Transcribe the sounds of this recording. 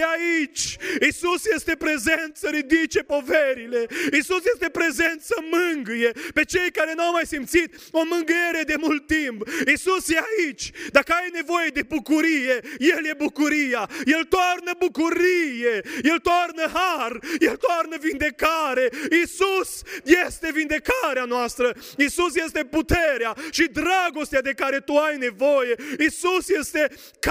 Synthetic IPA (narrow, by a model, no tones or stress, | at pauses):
eait͡ʃʲisusje̞st̪e̞pɾe̞zent̪səɾid̪it͡ʃe̞po̞veɾile̞isusjest̪e̞pɾe̞ze̞nt̪səmɨŋɡuje̞pe̞t͡ʃe̞jkaɾe̞nuawmajsimt̪sit̪o̞mɨŋɡeɾed̪e̞mult̪ːimpisusjeait͡ʃʲd̪akəajne̞vo̞jed̪e̞bukuɾije̞jelje̞bukuɾijaje̞lt̪oarnəbukuɾije̞je̞lt̪oarnəɦarjelt̪oarnəvind̪e̞kaɾe̞isusjest̪e̞vind̪e̞kaɾeanoast̪ɾə | isusje̞st̪e̞put̪e̞ɾeaʃid̪ɾaɡo̞st̪ead̪e̞kaɾe̞t̪uajne̞vo̞je̞isusje̞st̪e̞ | k